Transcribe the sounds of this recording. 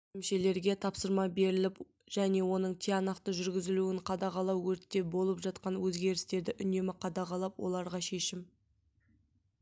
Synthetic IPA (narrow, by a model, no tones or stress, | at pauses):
ɪmʃe̞le̞ɾɡʲe̞t̪ʰɑpsəɾmɑbe̞ɾɪlɪp | ʒ̥æne̞wo̞nəɴt̪ʲʰeɑnɑqt̪əʒʏɾɡʲɪzɪluɪɴqʰɑd̪ɑʁɑlˠɑwwɵɾt̪ːe̞bo̞lˠəpʒɑt̪̚qɑnwɵzɡʲe̞ɾɪst̪e̞ɾd̪ɪʔʏne̞mɪqʰɑd̪ɑʁɑlˠɑpwo̞̰lˠɑɾʁɑʃe̞ʃɪm